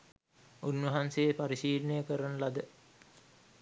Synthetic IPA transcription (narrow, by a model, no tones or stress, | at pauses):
unʋɐɦansejepaɾiʃiːlənejəkəɾanəlad̪ə